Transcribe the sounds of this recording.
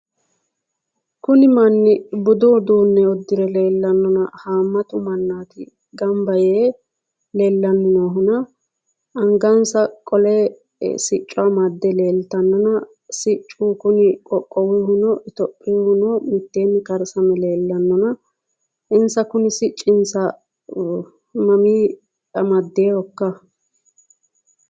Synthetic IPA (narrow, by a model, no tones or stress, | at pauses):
kʊnɪmɐnːɪbʊd̪ʊd̪uːnːɛɔd̪ːɪɾɛleːlːɐnːɔnɐhaːmːɐt̪ʊmɐnːaːt̪ɪ̰ | ɡɐmbɐjeː | leːlːɐnːɔnɔɦʊnɐ | ʔɐŋɡansɐkʼɔle | sɪt͡ʃʼːʊɐmɐd̪ːɛle̞ːlt̪ɐnːɔnɐ | sɪt͡ʃʼːuːkʊnɪkʼɔkʼːɔwɪhʊnɔʔɪt̪ɔpʼːɪwhʊnɔmɪt̪ːeːnːɪkɐɾsɐmɛle̞ːlːɐnːɔnɐ | ʔɪnsɐkʊnɪsɪt͡ʃʼːɪnsɐ | mɐmiː | ɐmɐd̪ːeːhɔkːɐ